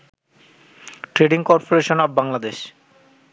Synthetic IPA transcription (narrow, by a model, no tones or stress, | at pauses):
ʈɾeɖiŋkɔɾpoɾeʃonɔbbaŋlad̪eʃ